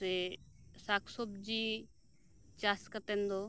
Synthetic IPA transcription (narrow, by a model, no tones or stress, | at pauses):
esaːkʰsobd͡ʒiː | t͡ʃaːskət̪ẽnd̪oː